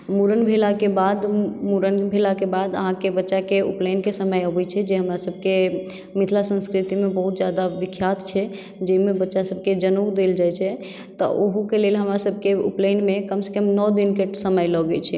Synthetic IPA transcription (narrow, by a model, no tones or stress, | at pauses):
muɾənbʱelakebad̪muɾənbʱelakebad̪ə̰ɦãkebətːʃakeṵplenkesəməjəbɛjt͡ʃʰɛd͡ʒeɦəmɾasəb̚ʱke | mit̪ʰlasə̃nskɾit̪imebəɦut̪d͡ʒjad̪aʋikʰːjat̪t͡ʃʰɛ | d͡ʒəimebətːʃasəb̚ʱked͡ʒənud̪eld͡ʒajt͡ʃʰɛ | t̪ɔ̰ʔoɦukelelɦəmɾasəb̚ʱkeṵplenmekəmse̥kəmnɔd̪inkesəməjlɔɡet͡ʃʰɛ